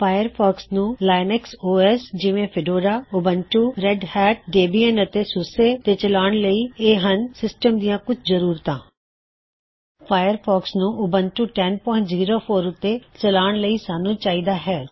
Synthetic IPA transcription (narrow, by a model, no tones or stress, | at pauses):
fʰaːjəɾpʰɔːksnũːlaːɪnɛksoːɛːsd͡ʒɪʋẽːpʰɪɖoːɾaːʊbənʈuːɾɛɖhɛːʈ̚ɖeːbiːɛnət̪eːsʊseːt̪eːt͡ʃəlaːɽ̃ləiːeːɦənsɪsʈəmd̪ijãːkʊt͡ʃʰzəɾuːɾt̪ãː | pʰaːjəɾpʰɔːksnũːʔʊbənʈuːʈɛːnpɔ̃ːɪ̃ɳziːɾoːpʰoːɾʊt̪ːeːt͡ʃəlaːɳ̃ləiːsaːnũːt͡ʃaːiːd̪aːɦɛː